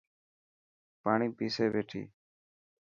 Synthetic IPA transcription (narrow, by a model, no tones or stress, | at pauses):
paːɳiːpiːseːbeːʈʰḭː